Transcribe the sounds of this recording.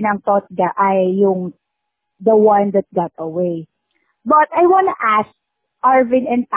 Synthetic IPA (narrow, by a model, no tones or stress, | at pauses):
nɐŋt̪ot̪̚ɡɐʔajːʊŋ | d̪ɐwãnd̪ɐt̪̚ɡɑt̪̚ɐwej | bɐt̪ajwãnʊʔask̚ | ʔaɹvɪ̃nɛ̃np